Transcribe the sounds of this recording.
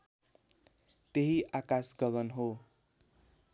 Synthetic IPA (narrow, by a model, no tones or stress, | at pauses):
t̪eɦiʔakasɡʌɡʌnɦo